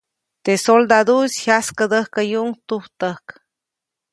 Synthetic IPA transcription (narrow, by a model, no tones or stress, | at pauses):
t̪esold̪ad̪ushjaskəd̪əhkajuŋt̪uht̪əhk